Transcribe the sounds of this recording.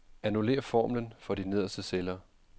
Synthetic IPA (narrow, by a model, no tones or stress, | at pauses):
ænule̝̰ːɐfɒ̰ːmlənfɒ̽d̥ine̝ð̞̰ˠɐsd̥əselɐ